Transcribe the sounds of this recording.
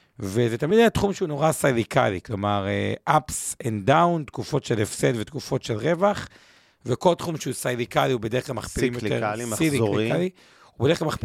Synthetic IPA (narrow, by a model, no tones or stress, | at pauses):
vezet̪amid̪jat̪χumʃeuno̞ʁasajdika̰liklo̞maʁeʔapsend̪awnt̪kufo̞t̪ʃelefsed̪vet̪kufo̞t̪ʃelʁe̞vaχ | veko̞lt̪χumʃeusajdikaliubedeχkɡlalmaχpilimjotḛʁsilikiali | ubedeeklalmaχ